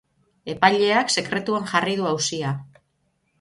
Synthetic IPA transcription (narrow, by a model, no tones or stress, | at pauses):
e̞pajʎe̞akse̞kɾe̞t̪uaŋʝariðuawsia